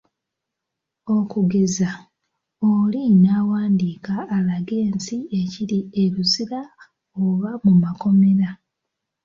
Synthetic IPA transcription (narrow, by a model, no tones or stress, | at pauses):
o̞kuɡeza | olinaːwaːndiːkaːlaɡe̞ːnsieciɾieɾusiɾa | oβamumako̞me̞ɾa